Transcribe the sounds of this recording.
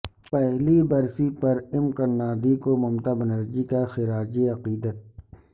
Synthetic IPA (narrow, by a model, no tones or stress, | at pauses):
pɛɦlibɐɾsipɐɾɪmkɐnːaːd̪ikomʊmt̪abɐnəɾd͡ʒikaxɪɾaːd͡ʒiɐqiːd̪ət̪̚